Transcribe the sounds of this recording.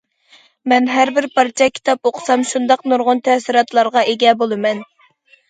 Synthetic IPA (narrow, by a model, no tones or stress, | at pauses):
mɛnɦæɾbɪɾpʰɑɾt͡ʃʰɑkʲʰi̥t̪ʰɑpoqʰə̥sɑmʃund̪ɑqnuɾʁʊnt̪ʰɛsiɾɑt̪ʰlˠɑɾʁɑʔeɡʲɛbolˠɨmɛn